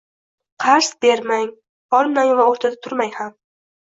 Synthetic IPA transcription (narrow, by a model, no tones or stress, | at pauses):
qʰɑɾsbe̞ɾmaŋ | ɒɾmnaŋvaoɾt̪ʰad̪at̪ʰʊɾmajham